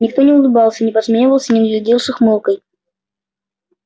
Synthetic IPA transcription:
nʲɪk̚t̪o̞nʲɪʊlˠɨbɑlˠsʲənʲɪpɐsmʲeɪvəlˠsʲənʲɪnəɡʲlʲɪdʲilˠʂɨxmɨlˠkəj

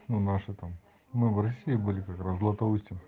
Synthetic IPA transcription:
nunaʂɨt̪am | mɨvɾɐsʲiɪbɨlʲɪkakɾaszlˠɐt̪ɐusʲtʲɪ

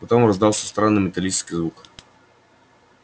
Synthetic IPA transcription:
pɐt̪omɾɐzd̪alˠsʲəst̪ɾanːɨmʲɪt̪ɐlʲit͡ʃskʲizvuk

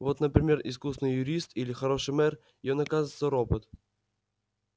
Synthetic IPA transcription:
vo̞t̪nəpɾʲɪmʲe̞rɪs̬kusnɨjːʊɾʲist̪ilʲɪxɐɾo̞ʂɨjmɛr | ɪjonɐkazɨt̪səɾo̞pət̪

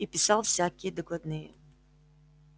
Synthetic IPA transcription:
ipʲɪsalˠfsʲakʲɪjəd̪əklˠɐd̪nɨjə̰

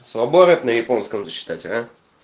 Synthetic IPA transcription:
svɐboɾʲɪt̪nəjɪponskəmzət͡ɕːɪ̥t̪atʲa

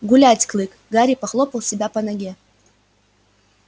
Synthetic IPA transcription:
ɡulʲatʲkʰlˠɨkʼɡaɾʲipaχlˠopɐwsʲibʲapanaɡʲe

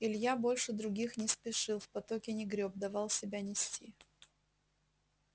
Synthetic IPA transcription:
ɪlʲjabo̞lʲʂɨd̪ɾʊɡʲixnʲɪspʲɪʂɨlˠfpɐt̪okʲɪnʲɪɡɾʲob̚d̪ɐvɑlˠsʲɪbʲanʲɪsʲtʲi

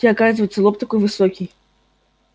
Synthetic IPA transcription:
iakazvɐjt̪sɐlˠɔpt̪ɐkujvɨsɔkʲij

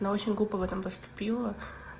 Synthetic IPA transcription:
nɐot͡ɕʲɪnʲɡlˠupɐvɛt̪ɐmpəst̪ʊ̥pʲilˠɐ

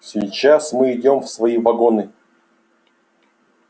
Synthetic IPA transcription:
sʲɪjt͡ɕasmɨɪdʲo̞mfsvɐivɐɡo̞nɨ

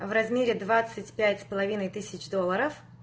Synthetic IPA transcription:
vrɐzmʲeɾʲɪd̪vat̪sɨtʲpʲætʲspəlˠɐvʲinəjt̪ɨsʲɪt͡ɕd̪o̞lˠːəɾəf

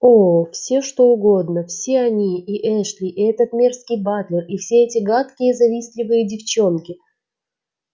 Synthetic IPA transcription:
ofsʲe̞ʂt̪o̞ʊɡo̞d̪nəfsʲeɐnʲiːʔɛʂlʲɪʔɛt̪ət̪mʲerskʲɪjbat̪lʲɪrifsʲeɛtʲɪɡat̪kʲɪjəzɐvʲisʲlʲɪvɨjədʲɪft͡ɕo̞nkʲɪ

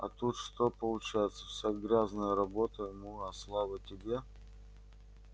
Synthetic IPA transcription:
ɐ̰t̪ut̪ʂt̪opəlˠʊt͡ɕæjɪt̪sə̥fsʲɐɡɾʲaznəjəɾɐbot̪əɪmuɐslˠavətʲɪbʲe

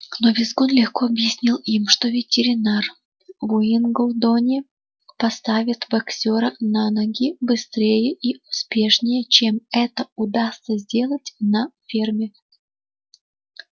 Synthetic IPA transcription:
novʲɪzɡonlʲɪxkoɐbjɪsʲnʲilˠimʂt̪o̞vʲɪtʲɪɾʲɪnar | vʊinɡolˠd̪onʲɪ | pɐst̪avʲɪt̪bɐksʲoɾənanɐɡʲibɨst̪ɾʲejəʔiʊspʲe̞ʂnʲɪjət͡ɕemɛt̪əʊd̪ast̪səzʲdʲe̞lˠətʲnɐfʲermʲɪ

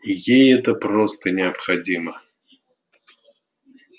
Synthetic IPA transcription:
jejɛt̪əprost̪ənʲɪɐpxɐdʲimə

